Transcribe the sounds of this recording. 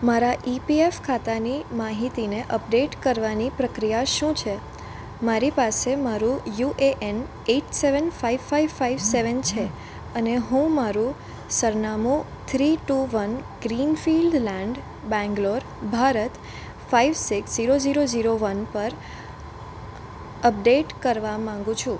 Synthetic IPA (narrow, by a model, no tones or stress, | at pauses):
maɾaʔipiefkʰat̪animaɦit̪ineʔəpɖeʈkəɾʋanipɾəkɾijaʃũt͡ʃʰe | maɾipasemaɾũjuʔeʔɛn | eʈseʋənfaiʋfaiʋfaiʋseʋənt͡ʃʰe | əneɦũmaɾũ | səɾnamu | t̪ʰɾiʈuʋənɡɾinfilɖlɛ̃ɳɖ | bɛ̃ŋɡloɾ | bʱaɾət̪ | faiʋsiksziɾoziɾoziɾoʋənpəɾ | əp̚ɖeʈkəɾʋamãŋɡũt͡ʃʰũ